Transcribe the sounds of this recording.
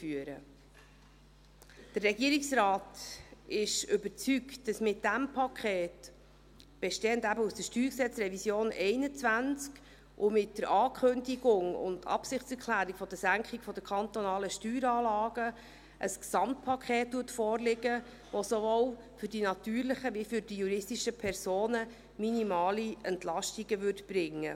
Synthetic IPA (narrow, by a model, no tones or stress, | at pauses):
fyəɾə̰ | d̥ərːɛɡiəɾiksɾɑːtɪʃʏbəɾt͡syktd̥ɑsmɪt̚d̥æmpʰɑkʰχɛːt | b̥ɛʃteːəndæbəusd̥əʃtyːɾksɛt͡sɾɛvisjoːnɛɪnət͡svænt͡sk | ʔʊmɪtːəɾʔɑːkʰχɵndiɡʊŋʊ̰ndɑ̰psɪχt͡sɛɾkʰlæːɾikfɔd̥əsæŋkχɪkfɔd̥əkʰχɑnt̪ɔnɑːləʃtyːɾɑːlɑːɡ̥ə | ʔəsksɑmt̚pʰɑkʰχeːt̚d̥uətfɔːɾlɪɡə | ʋosovow | fʏɾdinɑt̪yːɾləχəʋifʏɾd̥ijuɾɪsdiʃəpʰɛɾsoːnə | minimɑːliɛntlɑʃtiɡəʋʏɾdb̥ɾɪŋːə